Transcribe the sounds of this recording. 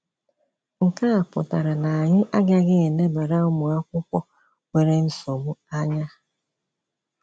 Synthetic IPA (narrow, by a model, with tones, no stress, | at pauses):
ŋ̩˨ka˦a˨pʊ̰˨ta˨ɾa˨na˨a˨ɲɪ˦ʔa˦ɡa˦ɡɪ˦e˨ne˦ba˨ɾa˦ʊ˦mʊ˨a˦kʷʊ˦kʷɔ˦ | we˦ɾe˦n̩˦so˨mʊ˦a˦ɲa˦